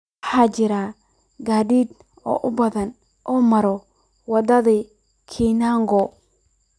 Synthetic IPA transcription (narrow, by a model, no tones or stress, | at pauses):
ħaːt͡ʃɪɾa | ɡaːdiːd̪̚ | ɔ̰ːʔʊbɐðɐn | ʔɔːmɐɾɔ | wɑd̪ɐði | kʰiːnaŋɡɔ